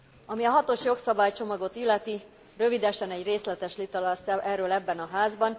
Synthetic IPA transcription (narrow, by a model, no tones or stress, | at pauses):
ɒmiɒɦɒt̪o̞ʃjo̞ksɒbaːjt͡ʃo̞mɒɡo̞t̪ilːɛt̪i | rø̞vid̪ɛʃɛnɛɟreːslɛt̪ɛʃlit̪ɒlɒsɛʔɛrːøːlɛbːɛnɒɦaːzbɒn